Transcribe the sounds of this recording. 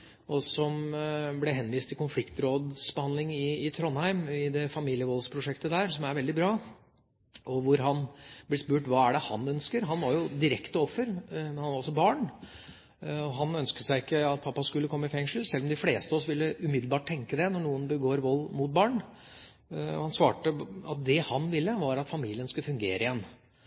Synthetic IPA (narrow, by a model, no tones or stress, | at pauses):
ʔɔsɔmblɛɦɛnʋiːst̪ʰɪlkʊnflɪkt̪ɾoːd̪sbəhɑnlɪŋɪːt̪ʰɾɔnːhæɪmɪd̪ɛfɑmiːlɪəʋɔlspʰɾʊʂɛkt̪əd̪æːɾsɔmæɾʋɛld̪ɪbɾɑː | ʔɔʋʊɾɦɑnb̥lɪspʉːʈʋɑːæɖɛhɑ̰nœnskəɾɦɑnʋɑɾjʊd̪ɪɾɛkt̪əɔfːəɾmɛnhɑnʋɾɔsɔbɑːɳ | ɔɦɑnœnskəsæɪɪkːəɑt̪̚pʰɑpːɑskʉlːəkʰɔmːəɪfɛŋʂəl̩sɛlːɔmd̪ɪfleːst̪əɔsʋɪlːəʔʉmɪd̪l̩bɑːʈ̚ʈʰːɛŋkəd̪ɛnɔɳuːənbəɡoːɾʋɔlːmʊt̪̚bɑːɳ | hɑnsʋɑːʈəɑ̰t̪̚d̪ɛhɑnʋɪlːəʋɑɾɑt̪fɑmiːlɪənskʉlːəfʉŋɡeːɾʔəɪjɛnː